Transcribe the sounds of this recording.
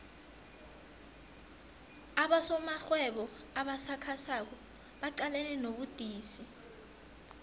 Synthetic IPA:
aɓasɔmaxwɛɓɔ | aɓasakʰasak̬ɔ | ɓaǃalɛnɛnoɓud̥ʱiːsi

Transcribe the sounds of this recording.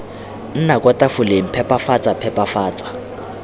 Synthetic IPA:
n̩nakʼɔtʼafʊleŋ̩pʰɛpʼafat͡sʼapʰɛpʼafaːt͡sʼḁ

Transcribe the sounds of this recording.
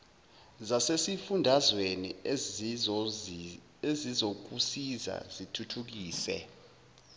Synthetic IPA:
zasesifundʱazweni | ezizok̬usiza̰zitʰutʰuk̬iːsɛ̰

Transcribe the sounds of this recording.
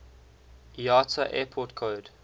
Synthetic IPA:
jɑːtʰəʔɛpʰɔtkʰoːd

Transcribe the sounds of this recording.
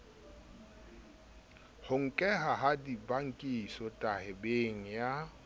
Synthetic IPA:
hʊŋ̩kʼɛɦaɦadibaŋ̩kʼisɔtʼahɪbeŋ̩ja

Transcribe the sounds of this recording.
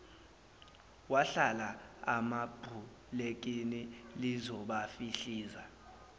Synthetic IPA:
waɬalaamab̥ʱu | lek̬ʼinilizɔɓafiɬiːza

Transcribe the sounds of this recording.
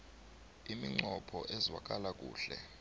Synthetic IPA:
imiŋ͡ǃɔpʰɔʔɛzwa̰k̬ʼalak̬ʼṵːɬɛ

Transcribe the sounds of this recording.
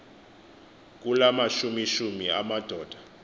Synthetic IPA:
k̬ulamaʃumiʃumiamad̥ʱɔːd̥ʱḁ

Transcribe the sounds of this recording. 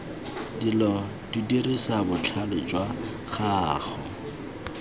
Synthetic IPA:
dilɔ | dudirisabʊt͡ɬʰalɪt͡ʃʼwa | χaːχɔ

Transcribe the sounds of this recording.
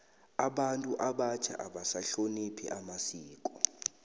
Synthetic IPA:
aɓantʼuʔaɓat͡ʃʰa̰ʔaɓasaɬonipʰḭʔamasiːkʼɔ

